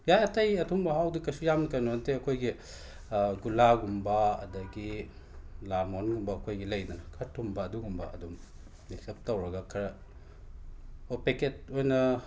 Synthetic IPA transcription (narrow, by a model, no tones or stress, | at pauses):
jajɐtɐjɐtʰumbɐɦawdikɐjsujamkɐnoanteɐkʰojɡi | ɡulaɡumbɐɐ̰dɐɡi | lamonɡumbɐːkʰojɡilɐjdɐnɐkʰɐɾtʰumbɐːduɡumbɐ̰ɐ̰dum | niksɐp̚tɐwɾɐɡakʰɐɾɐ | opeket̚ojnɐ